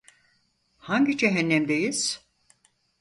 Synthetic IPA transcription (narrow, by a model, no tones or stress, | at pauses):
haɲɟid͡ʒɛɦɛnːɛmd̪ejiz̥